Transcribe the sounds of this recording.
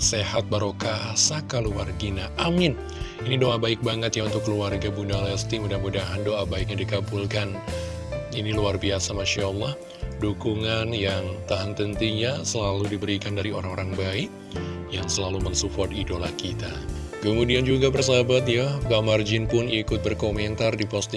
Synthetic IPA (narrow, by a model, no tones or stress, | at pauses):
sehat̪̚baɾokasakaluwarɡinaʔamɪn | inidoʔabaɪk̚baŋət̪jaunt̪ʊkːəluarɡabundalast̪imudahmudaɦandoʔabaɪk̚ɲadikabulkan | iniluarbiasamaʃalːɑh | dukuŋanjaŋt̪aɦant̪ənt̪iɲasəlaludibəɾikandaɾioɾaŋoɾaŋbaɪk | jaŋsəlaluməŋsufɔt̪idolahkit̪a | kəmudiand͡ʒuɡabərs̬abat̪̬jaɡamard͡ʒɪnpʊnikʊt̪̚bərkoment̪ardipɔst̪i